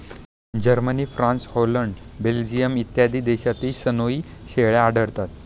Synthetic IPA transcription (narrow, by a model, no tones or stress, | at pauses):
d͡ʑəɾməniːfɾãnsholəɳɖbeld͡ʑijəmit̪jad̪iːd̪eɕat̪iːsənoiːɕeɭjaːɖʱəɽt̪at̪̚